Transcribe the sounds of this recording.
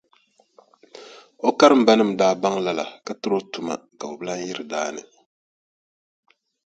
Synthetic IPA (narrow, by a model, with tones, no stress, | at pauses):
o˦ka˦ɾɨ˦˨m̩˨ba˦nɨ˦˨m̩˨daː˦ba˦ŋla˦la̰˨ka˨tɨ˦ɾo˦tu˨ma̰˨ka˨o˨bɨ˦la˦n˦ji˦ɾɨ˨daː˦nɨ̰˨